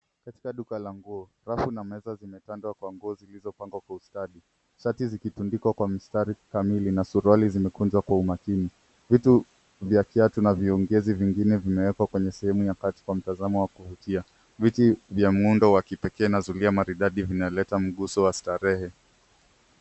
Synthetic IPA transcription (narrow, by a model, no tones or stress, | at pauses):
kati̥kaɗukalaŋɡuɔ | ɾafunamɛzazimɛtandwakwaŋɡuɔzilizɔpaŋɡwakwaustaɗi | ʃatizikitundikwakwamistaɾikamilinasuɾalizimɛkund͡ʒwakwaumakini | vitu | vjakiatunaviɔŋɡɛziviŋɡinɛvimɛwɛkwakwɛɲɛsɛhɛmujakati̥kwam̩tazamɔwakuvutia | vitivjam̩undɔwakipɛkɛːnazuliamaɾiɗaɗivinalɛtam̩ɠusɔwastaɾɛhɛ